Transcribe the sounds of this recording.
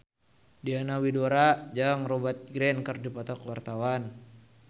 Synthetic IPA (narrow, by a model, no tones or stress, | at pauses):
dianawidoɾad͡ʒaŋrɔbat̪̚ɡɾɛnkərdipɔt̪ɔkwart̪awan